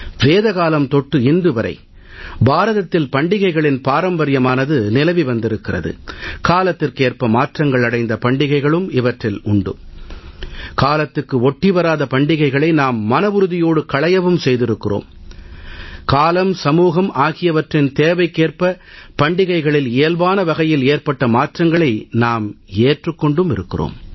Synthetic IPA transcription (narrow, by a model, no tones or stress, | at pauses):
ʋeːðɐɣaːlɐmt̪ɔʈːɯɪnd̪ɯʋɐɾʔɐ̰ɪ | baːɾɐðɐt̪ːɪlpɐɳɖɪɣɐɪɣɐɭɪnpaːɾɐmbɐɾɪjɐmaːnɐðɯnɪlɐʋiʋɐnd̪ɪɾɯkːɪrɐ̰ðɯ̰kaːlɐt̪ːɪrkeːrpɐmaːʈrɐŋɡɐɭɐɽɐɪnd̪ɐpɐɳɖɪɣɐɪɣɐɭɯmɪʋɐʈrɪlʊɳɖɯ̰ | kaːlɐt̪ːɯkːɯɔʈːiʋɐɾaːðɐpɐɳɖɪɣɐɪɣɐɭɐɪnaːmːɐnɐʋɯɾɯðɪjoːɽɯkɐɭɐjɐʋɯmsɛjðɪɾɯkːɪro̰ːm | kaːlɐmsɐmuːɣɐmʔaːɣɪjɐʋɐʈrɪnt̪eːʋɐɪkːeːrpɐ | pɐɳɖɪɣɐɪɣɐɭɪleːlbaːnɐʋɐɣɐjɪleːrpɐʈːɐmaːʈrɐŋɡɐɭɐɪnaːmeːʈrɯkːɔɳɖɯmɪɾɯkːɪro̰ːm